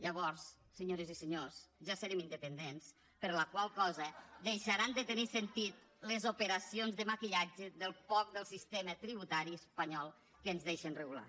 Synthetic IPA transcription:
ʎəβɔɾs | səɲoɾəzisəɲosʒasəɾemind̪əpənd̪ens | pəɾləkwalˠkɔzəd̪ejʃəɾand̪ət̪ənisent̪it̪̚ | ləzupəɾasionzðəmakiʎad͡ʒəðəlˠfɔk̚d̪əlˠsist̪emət̪ɾiβut̪aɾiəspəɲɔlˠ | kəːnzðeʃənrəɣula̰

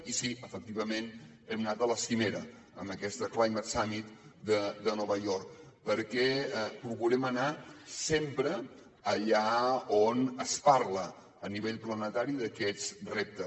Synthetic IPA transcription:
isiəfək̚t̪iβ̞əmen | ɛmnat̪ələsimeɾə | ə̰məkɛst̪əklajmət̪samit̪d̪əd̪ənɔβəjɔɾk̚ | pəɾkɛpuɣuɾɛmənasempɾə | əʎaonəspaɾlə | əniβeʎplənət̪aɾiðəkɛt͡srep̚t̪ə

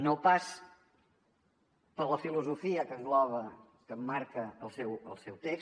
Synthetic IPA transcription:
nopas | pəɾləfiluzufiəkəzɡlɔβə | kəmːaɾkəːlˠsɛwə̰lˠsɛwt̪eks

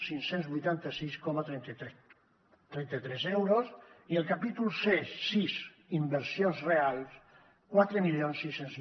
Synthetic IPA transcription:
siŋsenzβujt̪ant̪əsiskɔmat̪ɾɛ | t̪ɾɛnt̪ət̪ɾɛzɛwɾosiəlˠkapit̪ulˠsessiz | imbəɾsionzrealˠs | kwat̪ɾəmilionsːisːenz

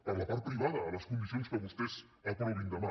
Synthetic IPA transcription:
aðapaɾpɾiβaðalaskund̪isionskaɣust̪es | ek̪oiɾind̪ama

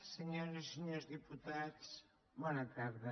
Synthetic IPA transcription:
sɨɲoɾisɨɲoɾʒðɨput̪aðʃ | mɐ̃nɐkaɾðɐ

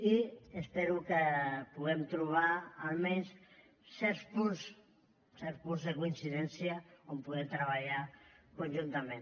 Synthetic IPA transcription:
iespeɾukəpuɣ̞ɛmt̪ɾuβ̞aːlmɛns | sɛɾspuns | sɛɾspunzðekuinsiðɛnsjaompuɣɛt̪ɾəβaʎakunʲʒunt̪amẽn

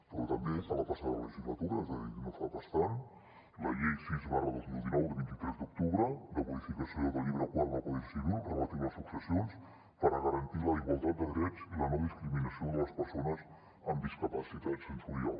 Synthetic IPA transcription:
pɾɔt̪əmbefalət̪asaðələʒizlət̪uɾəɛzəðiknofaβəst̪an | ləʎɛjsizβarəðəlˠd̪ud̪inɔwd̪əβint̪it̪ɾɛzd̪uk̚t̪uβɾəd̪əβuðifikəsioðəlʎiβɾəkwalβakuisiðuəmət̪iβləsuksəsions | pəɾəɣəɾənt̪iləiɣwalˠt̪at̪d̪̚d̪əðɾɛt͡silənɔβiskɾiminəsioðələspərsonəz | əmd̪iskəpəsit̪asənt̪uɾia̰l

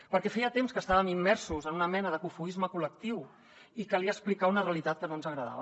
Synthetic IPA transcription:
pəɾkɛfɛjət̪emskəst̪aβəmimːɛɾsuzənunəmɛnəðəkufuizməkulək̚t̪iw | ikəliəsplikaunəreəlit̪at̪kənonzəɣɾəða̰βə

